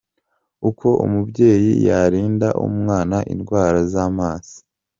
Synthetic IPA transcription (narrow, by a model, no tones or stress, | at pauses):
ukʰo̞ʔṵmubɟe̞ːjḭjaɾiːndaʔṵmŋaːnaʔḭnɡwaːɾazaːmaːz̥i̥